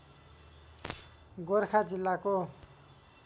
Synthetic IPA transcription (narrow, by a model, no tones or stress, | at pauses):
ɡoɾkʰad͡zilːako